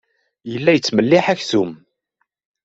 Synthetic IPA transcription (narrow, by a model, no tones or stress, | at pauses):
jəlːæjət͡sːməlːɪħæçθum